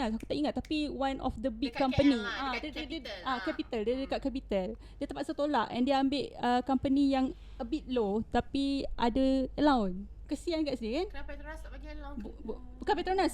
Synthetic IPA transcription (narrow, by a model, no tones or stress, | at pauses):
asaku̥t̪aʔiŋat̪ːapiwãnʔɔ̰fdəbikkːãmpəniaddadaakɛpit̪aldiadəkaʔ̪̚kɛpit̪al | diət̪əmpat̪̚sət̪olaʔɛ̰̃ndeambeʔəkampənijaŋ | əbit̪̚lot̪apiʔadəəlawn | kəsiankaʔsikanapajt̪sbbknapajt̪əɾonas